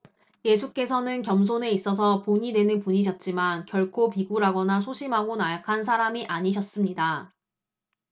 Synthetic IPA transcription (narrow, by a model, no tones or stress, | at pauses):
je̞sʰuk͈e̞sʰʌnɯnkjʌms̬ʰone̞is͈ʌs̬ʰʌpoɲidwe̞nɯnpuɲiɕ̬ʰʌt̚t͡ɕ͈imankjʌɭkʰopiɡuɾɦaɡʌnasʰoɕʰimɦaɡonajakʰans̬ʰaɾamiʔaɲiɕ̬ʰʌs͈ɯmɲida